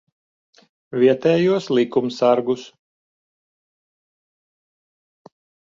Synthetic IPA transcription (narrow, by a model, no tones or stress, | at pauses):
vʲiɛt̪ɛːjuɔslʲˠikumsaɾɡus